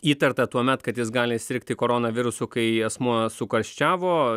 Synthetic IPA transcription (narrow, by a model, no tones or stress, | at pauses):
iːt̪ɐrt̪ɐt̪uɔmʲɛt̪kɐt̪jɪs̬ɡɑːlʲɪst̪ʲɪɾʲk̚t̪ʲɪkoːɾoːnɐʋʲɪɾʊsʊkɐɪɛsmuɔsʊkɐɾʲʃʲt͡ʃʲæːʋoː